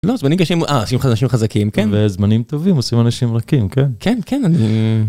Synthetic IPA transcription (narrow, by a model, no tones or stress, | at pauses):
lo̞zmanimkaʃimʔaosimχanaʃimχazakimkenvezmanimt̪o̞vimosimanaʃimʁakimkenkʰenkʰenani